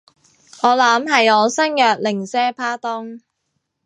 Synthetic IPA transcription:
ɔː˨˧lɐ˨˥mɦɐ˨jɔː˨˧sɐ˥njœː˨k̚lɪ˨˩ŋsɛː˥pʰaː˥t̪ɔː˥ŋ

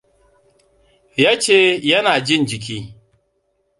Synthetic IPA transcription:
jaː˦t͡ʃeː˦jɐ˦naː˨d͡ʒɪ˦˨nd͡ʒɪ˨k̬ʲiː˦

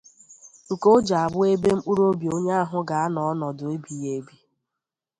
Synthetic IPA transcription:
ko˦d͡ʒa˨a˨bʊ˦e˦be˦m̩˦k͡pu˦ɾo˦bi˨o˦ɲa˦a˦ɦʊ˦ɡa˨a˦nɔ˨ɔ˦nɔ˨dʊ˨e˦bi˨je˦bi˦

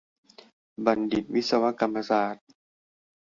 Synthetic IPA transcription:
ba˨ndi˨˩t̪̚wi˦˥t̪̚sa˧wa˦˥ʔka˧mːa˧saː˨˩t̪̚

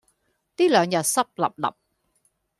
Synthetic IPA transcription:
t̪iː˦˥lœː˨˧ŋjɐ˨˩sɐ˥p̚lɐ̰˨˩p̚lɐ̰˨˩p̚

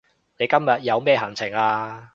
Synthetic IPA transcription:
ne˨˧jkɐ˥mjɐ˨t̚jɐ˨˧wmɛː˥ɦɐ˨˩ŋt͡sʰɪ˨˩ŋaː˧

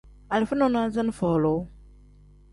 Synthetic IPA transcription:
a˨lfə˦nɔ˨na˦zə˦n˦fɔ˨lo˨˦

